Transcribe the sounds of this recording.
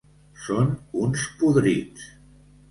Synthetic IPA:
sonunspuðɾis

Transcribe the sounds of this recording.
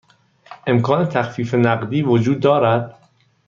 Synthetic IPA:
ʔe̞mkʰɒːne̞t̪ʰæxfiːfenæɢd̪iːvod͡ʒuːd̪ːɒːɾæd̪̥

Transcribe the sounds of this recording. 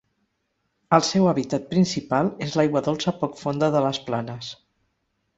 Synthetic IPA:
əlˠsɛwəβit̪at̪̚pɾinsipalˠezlajɣwəðolˠsəpɔkfond̪əðələsplanəs

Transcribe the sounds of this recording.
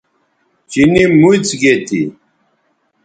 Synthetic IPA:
t͡ʃinimujt͡sɡɛt̪ʰʼḭ

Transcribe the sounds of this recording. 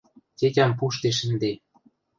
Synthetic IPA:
kekʲampuʃt̪eʃ̬ə̆nd̪e

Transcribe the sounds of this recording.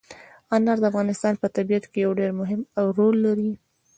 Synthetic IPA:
ɑnaɾd̪əafɣɑnɪst̪ɑnpət̪abijat̪kejawɖeɾmʊɦɪmawɾolːaɾi

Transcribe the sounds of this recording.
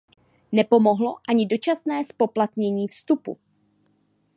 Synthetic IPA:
nɛpo̞mo̞ɦlo̞ʔaɲɪdo̞t͡ʃasnɛːspo̞plat̪ɲɛɲiːfst̪upṵ

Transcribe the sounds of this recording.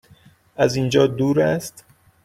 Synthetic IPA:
ʔæzind͡ʒɒːd̪uːɾæst̪

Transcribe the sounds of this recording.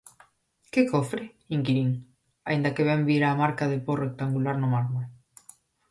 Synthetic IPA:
kekofɾɪ | iŋkiɾiŋ | aind̪ɐkeβɛmbiɾaːmaɾkaðeporek̚t̪aŋɡulaɾnʊmaɾmol

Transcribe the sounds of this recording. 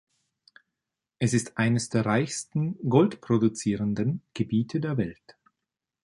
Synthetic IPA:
ʔɛsɪstʔaɪnəsd̥eːɐʁaɪçstn̩ɡɔltpʁ̥odut͡siːʁəndənɡ̥əbiːtʰədeːɐvɛlt

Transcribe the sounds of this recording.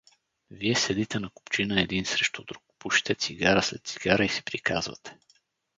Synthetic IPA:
viɛsɛd̪it̪ɛnɐku̥pt͡ʃinəɛd̪insɾɛʃt̪od̪ɾukpuʃi̥t̪ɛt̪siɡaɾəslɛt̪t̪siɡ̥aɾəisɛ̥pɾikazvɐ̰t̪ɛ̥

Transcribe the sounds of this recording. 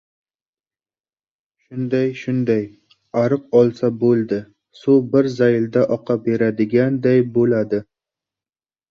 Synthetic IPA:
ʃʊnd̪ajʃʊnd̪aj | aɾɨq̚ɒlˠsabolˠd̪ɪ | sobɪɾzajɪld̪aʔɒqʰɑbeɾad̪ɪɡʲand̪ajbolad̪ɪ

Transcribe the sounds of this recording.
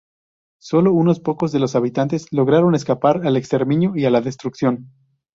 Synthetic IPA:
so̞lo̞uno̞spo̞ko̞zðe̞lo̞saβit̪ant̪eslo̞ɣɾaɾo̞ne̞skapaɾale̞kst̪e̞ɾmĩnjoialaðe̞st̪ɾuksjo̞n

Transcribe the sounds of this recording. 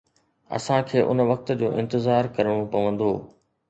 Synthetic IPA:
ɐ̰sãkʰeːʔʊ̰nʋɐk̚t̪d͡ʑoːʔɪ̃nt̪ɪzaːɾkɐɾəɽ̃õpɐʋə̃nd̪oː

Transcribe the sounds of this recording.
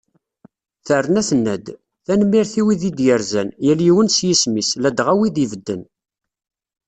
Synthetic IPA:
θərːənæθənːæd̪ | θænəmːiɾθiwiðid̪jəɾzænjæljiwənsjismislæd̪ʁæwiðivəd̪ːə̰n

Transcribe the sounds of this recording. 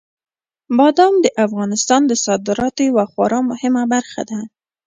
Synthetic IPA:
bɑd̪ɑmd̪əʔafɣɑnɪst̪ɑnd̪əsɑd̪ɪɾɑt̪ojawaxwɑɾɑmʊhɪmabaɾxa̰d̪a

